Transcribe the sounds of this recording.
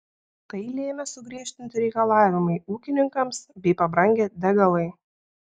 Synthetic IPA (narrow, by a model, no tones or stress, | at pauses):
t̪ɐɪlʲeːmʲɛsʊɡɾʲiɛʃʲt̪ʲɪnʲt̪ʲɪɾʲɛɪkɐlˠɑːʋʲɪmɐɪuːkʲɪnʲɪŋkɐmsbʲɛɪpɐbɾɐŋʲɡʲɛːd̪ʲæɡɐlˠɐɪ